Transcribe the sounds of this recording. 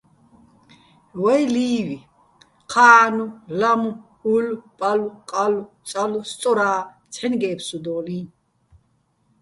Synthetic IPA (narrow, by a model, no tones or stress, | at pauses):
wɛjliːvi | qʰaːnulamuhulpʼaluqʼalu | t͡sʼalust͡sʼɔɾaː | t͡sʰħɛnɡɛːpʰsud̪ɔːlin